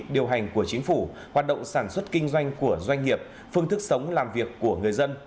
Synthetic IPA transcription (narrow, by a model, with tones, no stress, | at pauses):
ɗi˨˩əwɦa˨˩jŋ̟ku˧˩ət͡ɕï˨˦ŋ̟fu˧˩ | hwaː˨˩t̚ɗə̰˧˨wŋ͡msaː˧˩nswə˦˥t̚kï˧ŋ̟zwa˧jŋ̟ku˧˩əzwa˧jŋ̟ŋi˨˩əp̚ | fɨ˧əŋt̪ɨ˦˥k̚sə˨˦wŋ͡mlaː˨˩mvi˨˩əkːu˧˩əŋɨ˨˩əjzə˧n